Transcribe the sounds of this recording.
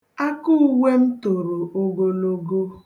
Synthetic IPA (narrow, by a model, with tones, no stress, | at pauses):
a˦ku˦we˦m̩˦to˨ɾo˨ʔo˦ɡo˦lo˦ɡo˦